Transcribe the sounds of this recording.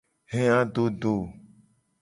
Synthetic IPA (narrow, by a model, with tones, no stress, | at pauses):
ɦẽ˦ã˦ɖo˦ɖo˦˨